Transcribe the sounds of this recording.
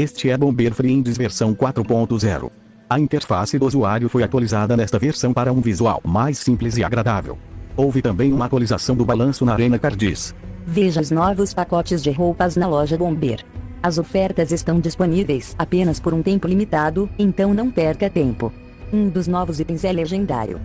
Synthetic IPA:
est͡ʃɪɛbõbeɾfɾiẽnd͡ʒɪzveɾsɐ̃w̃kwat̪ɾʊpõnt̪ʊzɛ̰ɾʊ̰ | ɐĩt̪eɾfa̰sɪd̪ʊozuaɾjʊfojat̪walizad̪ɐnɛst̪ɐveɾsɐ̃w̃paɾɐũvizua̰wmajsĩplɪzɪa̰ɡɾad̪avḛwowvɪt̪ɐ̃bẽj̃ũmɐat̪walizasɐ̃w̃d̪ʊbalɐ̃sʊnɐɾẽnɐkaɾd͡ʒḭsviʒɐznɔvʊspakɔt͡ʃɪzd͡ʒɪɦowpɐznɐlɔʒɐbõmbeɾɐzofɛɾt̪ɐzest̪ɐ̃w̃d͡ʒisponivejsapẽnɐspoɾũt̪ẽmpʊlimit̪ad̪ʊẽñt̪ɐ̃w̃nɐ̃w̃pɛɾkɐt̪ẽmpʊ | ũd̪ʊznɔvʊzit̪ẽj̃zɛleʒẽnd̪a̰ɾjʊ̰

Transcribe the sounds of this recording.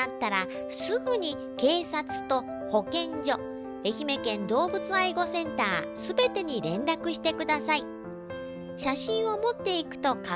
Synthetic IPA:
at̪ːaɾa | sɨɡɯ̟ɲ̟i | ke̞ːsat͡sɨ̥t̪o̞ | ho̞kẽ̞ɲd͡ʑo̞ | e̞çime̞kẽ̞nd̪o̞ːbɯt͡sɨaiɡo̞sẽ̞nt̪aːsɨbe̞t̪e̞ɲ̟iɾẽ̞nɾakɯ̟ɕi̥t̪e̞kɯ̟d̪asai | ɕaɕĩɰ̃o̞mo̞t̪ːe̞ikɯ̟̥t̪o̞ka

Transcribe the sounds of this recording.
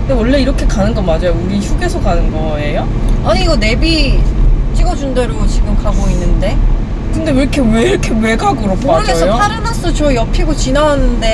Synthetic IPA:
ɯndewʌɭːe̞iɾʌkʰe̞kanɯnɡʌmad͡ʑajouɾiçuɡe̞sʰʌkanɯnɡʌ | e̞joaɲiɡʌne̞bi | t͡ɕ͈iɡʌd͡ʑundeɾot͡ɕiɡɯmkaɡoinːɯnde̞ | kɯnde̞ɯɾʌkʰe̞we̞iɾʌkʰe̞we̞ɡaɡɯɾopɡesʰʌjopʰaɾɯnas͈ɯt͡ɕʌjʌpʰiɡot͡ɕinaɦanɯnde̞

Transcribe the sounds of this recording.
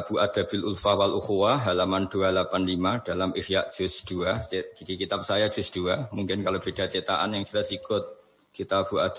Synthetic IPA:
b̥uʔad̪̥a̤bɪlʔulfahwalʔuxuwaɦalamand̥ualapanlimad̥alamʔɪfjaʔ̚d̥d͡ʒ̥ʊsd̪̥uad̥ikit̪ap̚sajad̥d͡ʒ̥ʊsd̥uamuŋkɪnkalob̥ed̥a̤t͡ʃet̪aʔanjaŋd͡ʒuɾasikʊt̪̚ | kit̪ab̥uad̪̥

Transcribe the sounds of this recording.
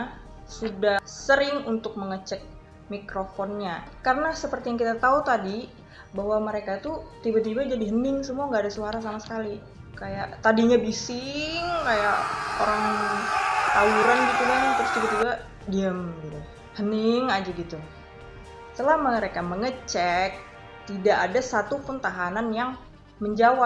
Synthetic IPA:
sudahsəɾɪŋunt̪ʊk̚məŋət͡ʃɛk̚ | mikɾofɔnɲakarənasəpərt̪ijaŋkit̪at̪aut̪adi | baɦwaməɾekat̪ut̪ibat̪ibad͡ʒadiɦənɪŋsəmuaŋɡaːdasuaɾasamasə̥kali | kajaʔt̪adiɲabisɪŋkajaʔoɾaŋ | t̪auɾanɡit̪ulaɲt̪əɾʊst̪ibat̪iba | diəmɡit̪u | hənɪŋad͡ʒaɡit̪u | səlamənəɾekaməŋət͡ʃɛk̚ | t̪idaʔːdasat̪upʊnt̪aɦananjaŋ | məɲd͡ʒawa

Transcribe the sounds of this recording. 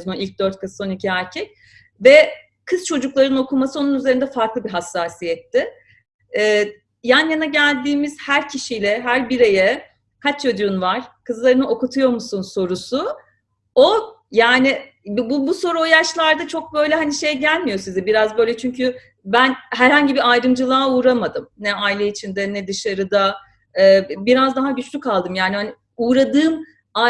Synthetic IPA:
maʔilʲc̚d̪øɾt̪̚kʰaso̞nicʰiæɾcʰɛc̚ | vɛ | kʰɯz̥t͡ʃʰo̞d͡ʒuklˠaɾɯno̞kumasɯonunyzeɾind̪ɛfaɾklˠɯbiɦasːaːsijɛt̪ʰːɪː | janjanaɟælʲd̪iːmiz̥hæɾcʰiʃijlʲɛɦæɾbiɾe̞jɛ | kʰat͡ʃjod̪uɾunvaɾ̥kʰɯzlˠaɾɯnɯʔo̞kut̪ʰujo̞ɾmusunso̞ɾusu | o | jaːnɪ | bbubuso̞ɾuojaʃlˠaɾd̪at͡ʃʰo̞k̚bø̞jlʲɛɦaniʃe̞jɟælʲmijo̞sizɛbiɾazbø̞jlʲɛt͡ʃʰyɲcy | bænɦæɾhaɲɟibiajɾɯmd͡ʒɯlˠaːuːɾamad̪ɯmnɛailʲɛit͡ʃʰind̪ɛnɛd̪ɯʃaɾɯd̪a | ɯːbiɾazd̪aɦaɟyt͡ʃlʲykʰalˠd̪ɯmjaːnihani | uːɾad̪ɯːm | a

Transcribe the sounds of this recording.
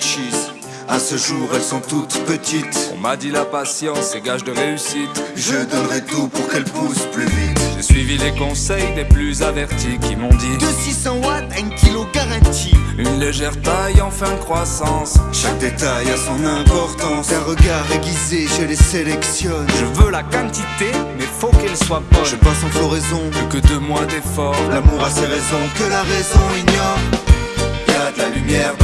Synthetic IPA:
ʃiz | asəʒuʁɛlsɔ̃t̪ut̪pət̪it̪ɔ̰̃mad̪ilapasjɑ̃seɡaʒd̪əʁeysit̪ʒəd̪ɔnʁɛt̪upuʁkɛlpusplyvit̪ʒesɥivilekɔ̃sɛjd̪eplyzavɛʁt̪ikʲimɔ̃d̪ikəsisɑ̃wat̪aɛ̃kʲʰiloɡaʁɑ̃t̪iynleʒɛʁt̪ajɑ̃fɛ̃d̪əkχwasɑ̃sʃak̚d̪et̪ajasɔ̃nɛ̃pɔʁt̪ɑ̃saʁəɡaʁd̪eɡʲizeʒəleselɛksjɔnʒəvølakɑ̃t̪it̪emɛfokɛlswabɔnʒəpasɑ̃fɔʁɛzɔ̃pykəd̪əmwad̪efɔʁlamuʁaseʁezɔ̃kəlaʁɛzɔ̃iɲjɔʁ | ɡaalymjɛʁ

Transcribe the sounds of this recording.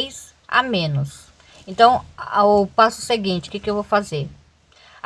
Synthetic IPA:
jz | a̰mẽnʊs | ẽnt̪ɐ̃w̃aʊpasʊseɡĩt͡ʃɪ̥kɪkɪewvowfazeɾ

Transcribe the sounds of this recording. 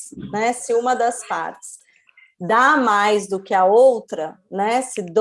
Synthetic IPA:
nɛsɪũmɐd̪ɐspa̰ɾt͡ʃɪ̥s | d̪amajzd̪ʊkɪɐowt̪ɾɐnɛsɪd̪

